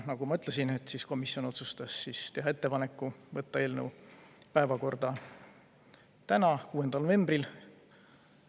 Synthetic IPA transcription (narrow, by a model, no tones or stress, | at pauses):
nɑɡ̥umɑyt̪ˑlesinet̪ːˑsisko̞misiono̞t̪sust̪ɑsːist̪e̞ɦɑet̪ːe̞pɑne̞kːˑuvɤt̪ːɑe̞ːlnewpæe̞vɑko̞rd̪ɑ | t̪ænɑkuːe̞nd̪̥ɑlnove̞mbril